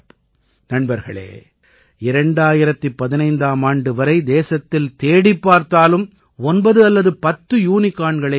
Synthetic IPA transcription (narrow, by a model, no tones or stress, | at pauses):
nɐɳbɐɾɣɐ̰ɭḛː | ɪɾɐɳɖaːjɪɾɐt̪ːɯpːɐðɪnɐɪnd̪aːmaːɳɖɯʋɐɾɐɪd̪eːsɐt̪ːɪlt̪eːɽɪpːaːɾt̪aːlɯm | ɔnbɐðɯɐlːɐðɯpɐt̪ːɯjuːnɪkːaːɳɡɐɭɐ